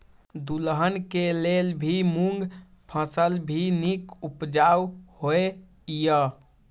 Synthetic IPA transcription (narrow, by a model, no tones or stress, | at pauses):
d̪ulɦənkelelbʱimuŋɡpʰə̃səlbʱinikupd͡ʒawhoe | jə